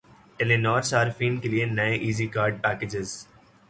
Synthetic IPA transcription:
ʈelenɔːɾsaːɾɪfĩːnkelienɐeʔiːzikaːɾɖ̚pɛːked͡ʒɪz

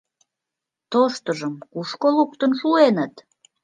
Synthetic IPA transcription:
t̪oʃt̪əʒəmkuʃkoluk̚t̪ənʃuenət̪

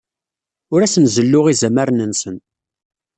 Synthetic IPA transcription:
ʊɾæsənzəlːʊʁizæməɾnənsən

